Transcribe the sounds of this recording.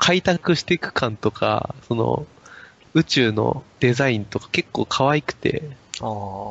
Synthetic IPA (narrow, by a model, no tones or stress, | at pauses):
kʰait̪akɯ̟ɕi̥t̪e̞kɯ̟̥kãnt̪o̞kʰa̰so̞no̰ | ɯ̟t͡ɕɨːno̞̰d̪̥e̞zaĩnt̪o̞kḁke̞kːo̞ːkʰaβaikɯ̟̥t̪e̞̰a